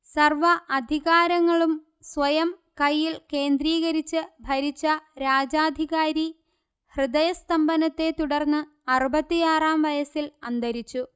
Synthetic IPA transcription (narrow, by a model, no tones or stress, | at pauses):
sɐrʋɐʔɐd̪ʱiɣaːɾɐŋːɐɭum | sʋɐjɐm | kɐjːilke̞ːnd̪ɾiːɣɐɾit͡ɕːɨbʱɐɾit͡ɕːɐɾaːd͡ʑaːd̪ʱiɣaːɾi | hrɨd̪ɐjɐst̪ɐmbɐnɐt̪ːe̞t̪uɽɐrnːɨ | ɐrubɐt̪ːijaːraːmʋɐjɐsilɐnd̪ɐɾit͡ɕːu